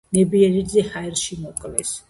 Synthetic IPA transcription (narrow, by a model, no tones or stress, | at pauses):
nɛbiɛɾidzɛhaɛɾʃimɔkʼlɛs